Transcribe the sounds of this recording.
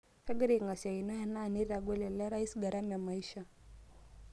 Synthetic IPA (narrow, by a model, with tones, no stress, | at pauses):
fɛ˦ɡɛ˦ɾi˦˨ŋɡa˨sa˨i˨nɔ˦ja˦nani˦ɾa˨ɡwɛ˦lɛ˨lɛ˦ɾai˦sɡaɾam˨jama˨iʃa